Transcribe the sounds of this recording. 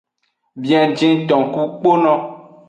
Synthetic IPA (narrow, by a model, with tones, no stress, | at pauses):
bĩ˨ã˨d͡ʒĩ˦t̪ɔ̃˨ku˦k͡po˦nɔ̃˦